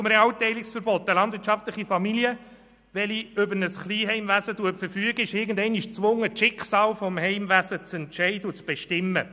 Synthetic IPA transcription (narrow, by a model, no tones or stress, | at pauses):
ʊmɾɛɑwtɛɪlɪksfəɾbɔt̪ːəlɑnd̪vɪtt͡ʃʃɑftləχifɑmiliə | ʋɛliʏbəɾnəsχliːɦɛɪmʋæsətuəpfəɾfyəɡəɪʃɪɾɡən̩dɛɪniʃt͡sʋʊŋːətʃɪkχsɑːlfɔmhɛɪmvæsət͡sɛntʃɛɪdəʊt͡sb̥ɛʃtɪmːə